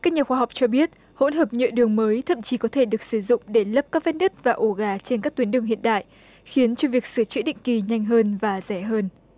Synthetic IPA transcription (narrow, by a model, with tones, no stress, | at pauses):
kaː˦˥k̚ɲaː˨˩xwaː˧ɦa˨˩wk͡p̚t͡ɕɔ˧ɓi˦˥ət̚ | ho̰˧˥nɦəː˨˩p̚ɲə̰˧˨ɗɨ˨˩əŋməː˨˦jt̪ʰə̰˧˨mt͡ɕi˨˦kɔ˨˦t̪ʰe˧˩ɗɨ˨˩ək̚sɨ˧˩zʊ̰˧˨ŋ͡mɗe˧˩lə˦˥p̚kaː˦˥k̚vɛ˧˦˥n̚ɗə˦˥t̚vaː˨˩ʔo˧˩ɣaː˨˩t͡ɕe˧nkaː˦˥k̚t̪wi˨˦nɗɨ˨˩əŋhḭ˧˨ənɗa̰ː˧˨jʔ | xi˨˦nt͡ɕɔ˧vi˨˩ək̚sɨ˧˩t͡ɕḭ˧˥ɗḭ̈˧˨ŋ̟ki˨˩ɲa˧jŋ̟ɦəː˧nvaː˨˩zɛ˧˩ɦəː˧n